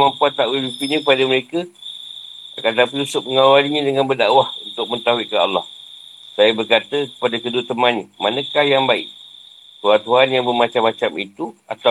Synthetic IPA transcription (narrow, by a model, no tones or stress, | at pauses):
mampuat̪ːaʔuilit̪iɲəkəpadəməɾekə | a̰kant̪ap̬iusʊʔ̚məŋawaliɲə̃dəŋanbərdaʔwahunt̪ʊk̚mə̃nt̪aɦuiʔkaa̰lːɑh | sajəbərkat̪əkə̥padakədʊt̪əmanɲəmanə̃kahjaŋbaɪ̰ʔ | kuɾant̪uanjaŋbəmat͡ʃamːat͡ʃamit̪ua̰t̪a